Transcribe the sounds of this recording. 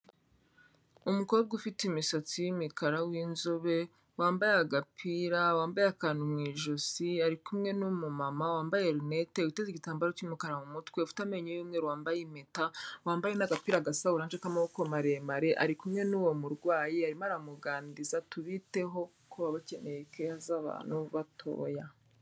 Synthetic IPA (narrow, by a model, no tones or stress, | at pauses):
umuko̞b̚ɡufitimisot͡sijimikʰaɾawiːnzoβe̞ | waːmbajeaɡapʰiɾawaːmbajeakanumŋiːʒosiaɾikumŋe̞numumamawaːmbajeɾunete̞ɡuteziɟitaːmbaɾocumikaɾamumutkwe̞ufi̥tame̞ɲejumŋeɾwaːmbajemetawaːmbajenaɡapiɾaɡasahuɾaːnʒekamaokomaɾemaɾe̞ʔaɾikumŋe̞nuːwo̞muɾɡwaːjiaɾimaɾamuɡaːndizatuβite̞ɦo̞ | kuβaβace̞nejekehazaβa̰ːn̥huβatʰo̞̰ːja